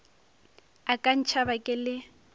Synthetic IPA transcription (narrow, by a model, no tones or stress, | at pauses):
akʼan̩t͡ʃʰabakʼɪlɪ